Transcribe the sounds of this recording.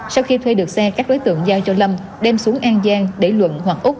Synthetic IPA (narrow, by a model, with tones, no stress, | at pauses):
sa˧wxi˧t̪ʰwe˧ɗɨ˨˩ək̚sɛ˧kaː˦˥k̚ɗo˨˦jt̪ɨ̰˧˨əŋzaː˧wt͡ɕɔ˧lə˧m | ɗɛ˧msu˨˦ŋʔaː˧ŋzaː˧ŋɗe˧˩lwə̰˧˨nhwa˨˩k̚ʔʊ˦˥k͡p̚